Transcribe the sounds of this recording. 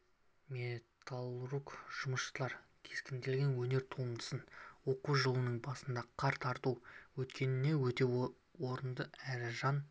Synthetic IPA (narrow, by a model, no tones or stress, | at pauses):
mʲet̪ʰalˠrukʒ̥ʊməsʃlˠɑɾ | kʲʰe̞skʲɪnd̪ɪlɡʲenwɵne̞ɾt̪ʰumd̪ə̥sənwo̞quʒəlˠənəɴbɑsənd̪ɑqʰɑɾt̪ʰɑɾt̪uwɵt̪kʲe̞nɪne̞wɵt̪e̞ | wo̞ɾənd̪əæɾɪʒɑn